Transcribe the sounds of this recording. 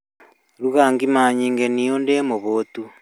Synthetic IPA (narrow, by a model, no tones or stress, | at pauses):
ɾuɣaŋɡimaːɲiːŋɡeniondemoβotu